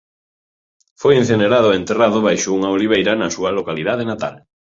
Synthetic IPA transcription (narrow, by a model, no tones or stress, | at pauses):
fojẽn̟θeneɾaðʊent̪eraðʊβajʃʊuŋaoliβ̞ejɾɐnɐsuɐlokalið̞að̞enat̪a̰l